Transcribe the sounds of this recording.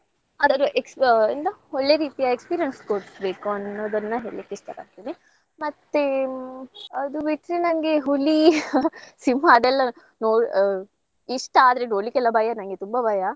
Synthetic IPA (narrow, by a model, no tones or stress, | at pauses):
ɐd̪ɐɾuʔeksind̪ɐoɭːeɾiːt̪ijɐekspiːɾijɐnskoːɽsbeːkuɐnːod̪ɐnːɐɦḛːɭ̰ikːeiʂʈɐkɐ̰ɽt̪iːni | mɐt̪ːe | ɐd̪ubiʈɾenɐŋɡeɦuli | simaːd̪ɛlːɐ | noːɽ | iʂʈaːd̪ɾeɖoːɭikɛlːɐbʱɐjɐnɐŋɡet̪umbɐbʱɐja